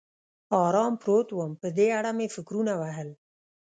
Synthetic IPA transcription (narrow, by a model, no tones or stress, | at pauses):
ɑɾɑmpɾot̪wəmpəd̪eaɽamefɪkɾunawaɦəl